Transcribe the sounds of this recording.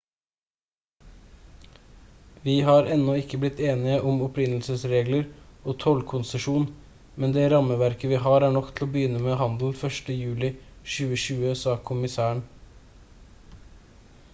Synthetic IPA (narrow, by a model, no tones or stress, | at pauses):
ʋiːɦɑːɾɛnːɔɪkːəblɪt̪ʰːeːnɪəʔɔmɔpɾɪnəl̩səsɾeːɡləɾoːt̪ʰɔlkʰʊnsəʂuːn | mɛnd̪ɛːɾɑməʋæɾkəʋiːɦɑːɾæːɳɔkt̪ʰl̩oːbəjʏnːəmeːɦɑnd̪l̩fœʂʈəjʉːlɪʃʉːəʃʉːəsɑːkʰʊmɪsæːəɳ